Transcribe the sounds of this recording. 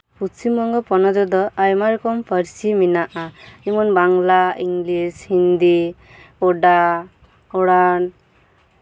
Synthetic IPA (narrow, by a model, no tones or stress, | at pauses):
pusimɔŋɡɔpɔnɔd͡ʒɔd̪ɔajmaɾkɔmpʰəɾsiminaʔaimɔnbaŋɡlaiŋɡlishind̪i | ɔɖa | ɔɽan